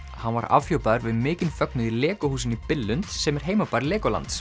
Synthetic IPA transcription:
hanva̰ɾa̰vfjowpaðʏɾvɪðmɪːcɪnfœk̚nʏðilɛːkʏhuːsɪnipɪlːʏnt̪sɛmɛɾ̥ɦeːjmapaːɾlɛːkɔla̰nt̪s

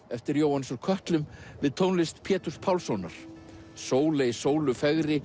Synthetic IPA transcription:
ɛft̪ɪɾjoːwhansɔɾkʰœht̪lʏmvɪðt̪ʰoːwnlɪst̪pʰɛːt̪uspʰawlsɔwnaɾ̥soːwlejsoːwlʏfɛɣɾɪ

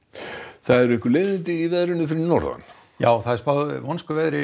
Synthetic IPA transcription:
θaðɛɾẽŋkʏleːðɪnt̪ɪivɛðɾɪnːʏfɪɾɪnɔɾða̰n | jaːwθaðɛspaðvɔnskʏvɛðɾɪ

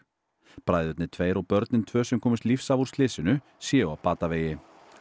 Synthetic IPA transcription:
pɾaːjðʏt̪nɪt̪ʰveːjɾɔɣpœɾt̪nɪnt̪ʰvœːsɛmkʰɔːmɪst̪lifsavuɾ̥st̪lɪːsɪnʏ | sjɛʏawpaːt̪aveːjɪ

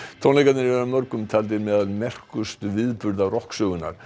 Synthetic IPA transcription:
t̪ʰɔwnejkat̪nɪɾvɛɾamœɾkʏmt̪ʰaːlt̪̬ɪmɛːðalmɛr̥kʏst̪ʏvɪðpʏɾðarɔhksœːɣʏnːa̰ɾ̥

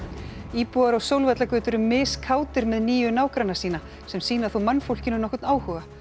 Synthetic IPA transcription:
iːpuaɾawsowlvɛt̪lakvʏːt̪ʏɾʏmːɪːskʰaːwt̪ɪɾmɛðniːjʏnaːwkɾanasiːna | sɛmsiːnaθowmanːfowl̥cɪnʏnɔhkʏt̪naːwhʏːɣa

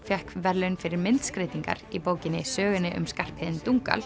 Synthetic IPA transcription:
fjɛhkvɛɾlʏnfɪɾɪɾmɪnt̪skɾeːt̪iŋka̰ɾipoːwcɪnɪsœːɣɪnːɪʔʏ̰mskar̥phɪːðɪnt̪uŋka̰l

